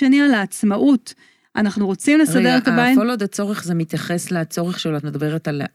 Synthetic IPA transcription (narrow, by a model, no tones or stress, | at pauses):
enialaːt͡smaʔut | ʔanaχnuʁo̞t͡simleʁsade̞ʁet̪abaitolod̪at͡so̞ʁeχzemit̪jaχe̞sleat͡so̞ʁeχʃeloat̪med̪abe̞ʁetal